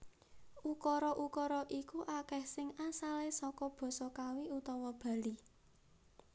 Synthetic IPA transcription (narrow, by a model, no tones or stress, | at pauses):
ʔukɔɾɔʔukɔɾɔʔikuʔakɛhsɪŋasalesɔkɔb̥ɔ̤sɔkawiut̪ɔwɔb̥ä̤li